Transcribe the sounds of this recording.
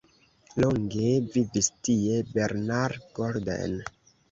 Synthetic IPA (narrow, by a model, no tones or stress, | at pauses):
lo̞ŋɡevivistiebe̞ɾnaɾɡoɾda̰n